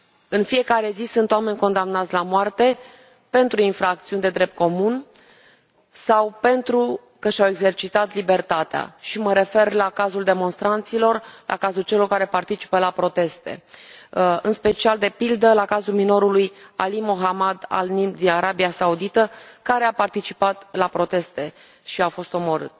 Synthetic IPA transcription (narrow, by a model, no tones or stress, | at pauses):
ɨnfije̞kaɾe̞zisunt̪owame̞ɲʲko̞nd̪amnat̪sʲlamwart̪e̞ | pe̞nt̪ɾuinfɾak̚t̪siunʲd̪e̞d̪ɾe̞p̚t̪̚ko̞mun | sawpe̞nt̪ɾu | kəʃawe̞ɡze̞rt͡ʃit̪at̪libe̞rt̪at̪ea̰ʃiməɾe̞fe̞rlakazuld̪e̞mo̞nst̪ɾant̪silo̞rlʔa̰kazult͡ʃe̞lo̞rkaɾe̞part̪it͡ʃi̥pəlapɾo̞t̪e̞st̪ḛ | ɨnspe̞t͡ʃiald̪e̞pild̪əlakazulmino̞ɾuluja̰limoɦamad̪a̰lnid̪inaɾabiasaud̪it̪əkaɾe̞apart̪it͡ʃipat̪lapɾo̞t̪e̞st̪e̞ | ʃiawfo̞st̪o̞mo̞ɾɨ̰t̪